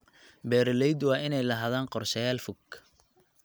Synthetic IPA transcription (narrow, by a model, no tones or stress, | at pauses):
bɛːɾɪlɛjd̪wɑːɪnɛjlɐɦaðaːnqɔrʃɐjaːlfʊɡ